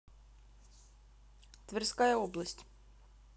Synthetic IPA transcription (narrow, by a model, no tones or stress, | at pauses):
t̪vʲɛrskajɐɔblˠɐsʲtʲ